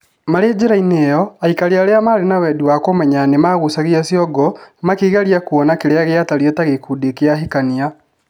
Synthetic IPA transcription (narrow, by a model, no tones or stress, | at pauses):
maɾed͡ʑeɾainejɔaikaɾeaɾeamaɾenawɛduwakomɛɲanemaɣusaɣeasjɔɡɔmakiɣaɾiakuɔnakeɾeaɣeataɾiɔtaɣekudekeaɦikania